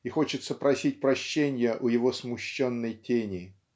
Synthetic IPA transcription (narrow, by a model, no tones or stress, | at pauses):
ixo̞t͡ɕɪt̪səpɾɐsʲit̚ʲpɾɐɕːenʲjəʔʊjɪvo̞smʊɕːo̞nːəjtʲenʲɪ